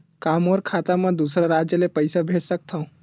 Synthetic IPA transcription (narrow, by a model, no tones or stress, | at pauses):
kamɔːɾkʰat̪amẽd̪usɾaɾad͡ʒjəlepəɪsabʱeʈsək̚t̪ʰaũ